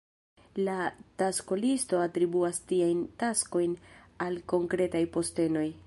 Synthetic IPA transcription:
latasko̞listo̞atɾibuastiajntasko̞jn | alko̞ŋkɾe̞tajpo̞ste̞no̞j

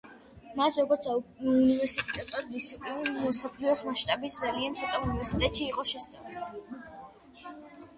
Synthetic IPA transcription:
masɾɔɡɔɾt̪saunivɛɾsit̪ʼɛt̪ʼɔd̪ːit̪sʰipʼlinmɔsapʰlɛɔsmaʃt̪ʼabit̪ʰd̪zaliant̪sʰɔt̪ʼɔunivɛɾsit̪ʼɛt̪ʼʃiːqʼɔʃɛst̪sʼɛul

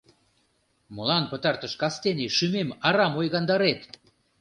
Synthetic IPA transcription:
məlɑnpə̆t̪ɑrt̪ə̆ʃkɑst̪enʲiʃymemɑɾɑmojɣɑnd̪ɑɾet̪

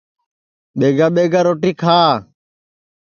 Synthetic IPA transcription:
ɓeːɡaːɓeːɡaːɾoːʈiːkʰaː

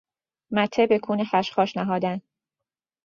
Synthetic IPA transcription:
mæt̪ʰːebekʰuːnexæʃxɒːʃnæɦɒːd̪æn

